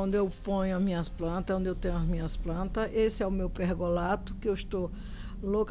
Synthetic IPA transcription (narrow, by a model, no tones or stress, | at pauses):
nd̪ʊewpõɲʊɐzmĩɲɐsplɐ̃nt̪ɐõnd̪ɪewt̪ẽɲʊɐzmĩɲɐsplɐ̃nt̪ɐesɪɛʊmewpehɡolat̪ʊ̥kɪewɪst̪o | lok